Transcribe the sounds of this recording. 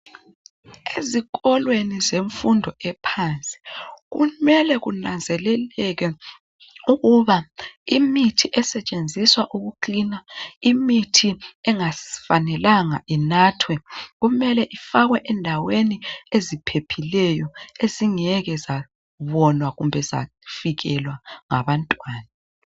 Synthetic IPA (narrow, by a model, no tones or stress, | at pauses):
eziɣɔlwenizeɱfundʱɔɛpʰaːnt͡sʼi̥ɣumɛlɛɣunand͡zʱɛlɛlɛɣɛ | uɣuβaimitʰiʔɛsɛt͡ʃʼend͡zʱiswaʔuɣuǃinaimitʰiɛŋafanɛlaŋa̰ʔinatʰwɛɣumɛlɛʔifaɣwɛʔɛndʱaweniezipʰepʰilɛjɔeziŋɛɣɛza | βɔnwaɣumbʱɛza̰ | fiɣɛlwaŋa̰βantʼwaːna